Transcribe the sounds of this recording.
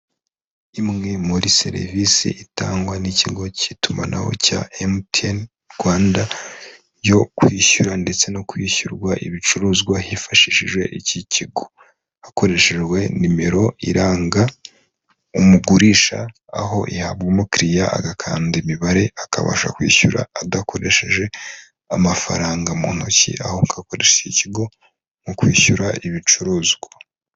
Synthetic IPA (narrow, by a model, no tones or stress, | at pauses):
imŋe̞muɾise̞̰ɾḛvisḭʔitaːŋɡwaniciɡo̞cituma̰na̰ho̞̰ca̰emten | ɡwaːnda | jo̞kwiːçuɾande̞t͡se̞no̞kwiːçuɾɡwaʔḭβit͡ʃuɾuːzɡwahifaʃiʃiʒɡwe̞̰ʔiciciɡo̥ | ako̞ɾe̞ʃeʒɡwe̞nime̞ɾo̞ʔḭɾaːŋɡa | umuɡuɾiːʃa̰ː | ɦo̞ʔihaβɡumukɾijaa̰ɡakʰa̰ːndemiβaɾe̞akʰa̰βa̰ʃa̰kwḭːçuɾa̰ːdakʰo̞ɾe̞ʃe̞ʒe̞ | amafa̰ɾaːŋɡamṵːn̥ucḭa̰hoŋkʰako̞ɾeʃeiciɡo̞ | mukwiːçuɾaiβit͡ʃuɾuːzɡwa